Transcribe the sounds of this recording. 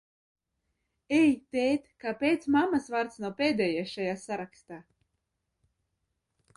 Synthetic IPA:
ɛjt̪ʲɛjt̪kapʲɛjt̪smamasvaɾt̪snupʲeːd̪ʲɛːjaʃajaːsaɾakst̪aː

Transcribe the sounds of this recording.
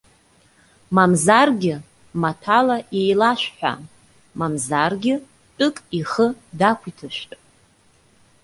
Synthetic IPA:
mamzarɡʲɪ | matʰalajejlaʃʷᶣħʷᶣa̰ | mamzarɡʲɪ | tʼɨkʼiχədakʷʰitʰɨʃʷᶣtʼ

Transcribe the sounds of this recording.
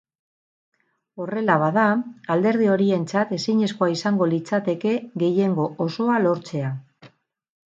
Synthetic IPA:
o̞re̞laβ̞að̞aald̪e̞ɾðio̞ɾie̞nt͡sat̪e̞siɲe̞sko̞aisaŋɡo̞lit͡sat̪e̞ke̞ɣe̞je̞ŋɡo̞ʔoso̞alo̞ɾt͡se̞a

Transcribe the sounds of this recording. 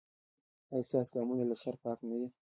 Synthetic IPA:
asɑsɡɑmunalaʃaɾpɑknawi

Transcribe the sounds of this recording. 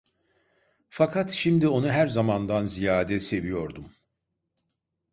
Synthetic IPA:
fakʰat̪ʃimd̪io̞nuɦæɾzamand̪anzijaːd̪ɛse̞vijo̞ɾd̪um

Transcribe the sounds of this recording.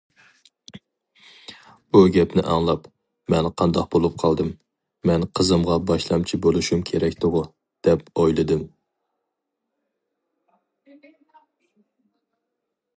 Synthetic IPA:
buɡʲɛpnɪʔɑŋlˠɑp | mɛnqʰɑnd̪ɑq̚bolˠup̚qʰɑlˠd̪ɨmː | ɛnqʰəzɨmʁɑbɑʃlˠɑmt͡ʃʰibolˠuʃumkʲʰeɾɛkʲt̪ʊʁʊ | d̪̥ɛpojlˠɨd̪ɨm

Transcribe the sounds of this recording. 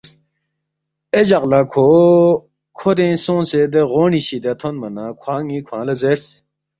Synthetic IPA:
ed͡ʑɐqlakʰoː | kʰod̪ẽsõːnsed̪eɣoːniɕid̪et̪ʰonmɐnakʰwaːŋĩkʰãːlɐzeɾs

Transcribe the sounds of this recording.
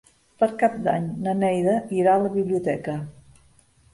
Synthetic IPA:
pəɾkap̚d̪a̰ɲnənɛjðəʔiɾaələβiβliut̪ɛkə

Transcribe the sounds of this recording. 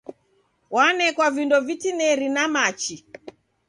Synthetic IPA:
wanɛkwavindɔvitinɛɾinamat͡ʃi

